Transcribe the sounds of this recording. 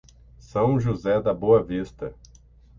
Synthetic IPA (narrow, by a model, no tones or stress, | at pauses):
sɐ̃w̃ʒuzɛd̪ɐboɐvist̪ɐ